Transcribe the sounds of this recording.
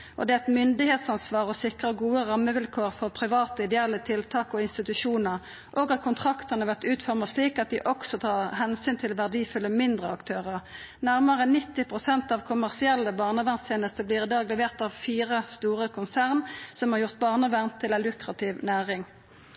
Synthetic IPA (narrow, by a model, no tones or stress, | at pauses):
ʔɔ̰d̪ɛːɛt̪mʏnd̪ɪheːt̪sɑnsʋɑːʁɔsɪkʁəɡuːəʁɑmːəʋɪlkʰoːʁfɔʁpʰʁɪʋɑːt̪əɪd̪ɛɛlːət̪ʰɪlt̪ʰɑːkɔɪnst̪ɪt̪ʉʃuːnəʁ | ʔoːɡɑt̪̚kʰʊnt̪ʰʁɑkt̪əʁnəʋæʁt̪ʉːt̪fɔʁməsliːkɑt̪̚d̪ɪʔɔksɔt̪ʰɑːʁɦɛnsyːnt̪ʰɪlʋæʁd̪iːfʉlːəmɪnd̪ʁəɑkt̪ʰøːʁəʁ | næʁməʁəənɪt̪ːɪpʁʊsɛnt̪ɑʋkʰʊmæʁsɪɛlːəbɑːʁnəʋæʁnst̪ʰeːnəst̪əbliːʁɪd̪ɑːɡlɛʋeːʁt̪ɑʋfiːʁəst̪uːʁəkʰʊnsæʁnsɔmhɑʁjʊʁt̪̚bɑːʁnəʋæʁnt̪ʰːɪlælʉkʁɑt̪ʰɪʋnæːʁɪŋ